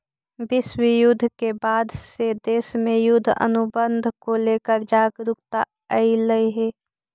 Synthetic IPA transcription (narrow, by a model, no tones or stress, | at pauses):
bɪswijʊd̪ʱːkebaːd̪sed̪eːsmẽjʊd̪ʱə̰nʊbənd̪ʱkoleːkəɾd͡ʒaːɡɾʊkt̪a | əiləiɦeː